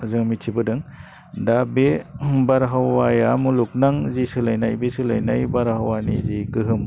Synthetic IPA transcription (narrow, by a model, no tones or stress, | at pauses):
zɯŋmitʰibɯdɯŋ | dabebaɾɦawajamuluk̚naŋzisɯlajnajbesɯla̰jnajbaɾhawanḭziɡɯɦɯm